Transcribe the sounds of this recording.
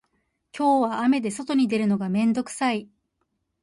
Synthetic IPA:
kʲʰo̞ːβaːme̞d̪e̞so̞t̪o̞ɲ̟id̪e̞ɾɯ̟no̞ɡamẽ̞nd̪o̞kɯ̟̥sai

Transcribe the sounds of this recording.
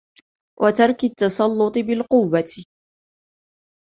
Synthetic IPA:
wʔat̪ɑɾˤkat̪ːɑsˤɑlːʊt̪ˤɨbɪlqʊwːa

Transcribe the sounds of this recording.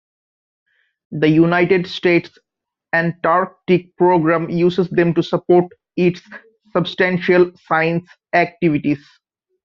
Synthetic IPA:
d̪əjunaɪʈeɖsʈeːʈs | æ̃ɳɖʈaːɾk̚ʈik̚pɾoːɡɾæ̃ːmjuːsesd̪ẽmʈusəpoːɾʈ | ɪʈsː | əbsʈæ̃nʃəlsãɪ̃ns | æk̚ʈiʋiʈiz

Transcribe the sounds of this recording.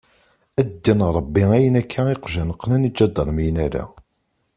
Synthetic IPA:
æd̪ːinɾˤəbːiæjənækʰːæeqʒænəqːnænid͡ʒæd̪ːəɾˤmijənæɾæ̰

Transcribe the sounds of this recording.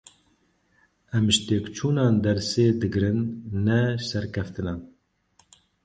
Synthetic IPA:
ɛmʒt̪eːkt͡ʃʰuːnɑːnd̪ɛɾseːd̪ɨɡɾɨnːɛsɛɾkʰɛft̪ɨnɑːn

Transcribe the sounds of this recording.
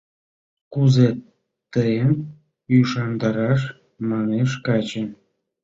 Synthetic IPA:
kuze | t̪əem | jyʃɑnd̪ɑɾɑʃ̬ | mɑneʃkɑt͡ɕe

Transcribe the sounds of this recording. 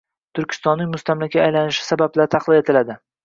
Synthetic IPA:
t̪ʰʊɾkʲʰɪ̥st̪ɒnːɪŋʲmʊst̪ʰamlakʲaːjlanɪʃɪ̥sabablaɾt̪ʰɑqlˠɪe̞t̪ʰɪlad̪ɪ

